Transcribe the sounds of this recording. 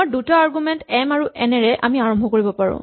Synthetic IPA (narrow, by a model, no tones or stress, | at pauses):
ɔdutaaɹɡumɛntɛmaɹuʔɛnɛɹɛʔa̰miaɹɔmbʱɔkoɹibɔpaɹɔ̰̃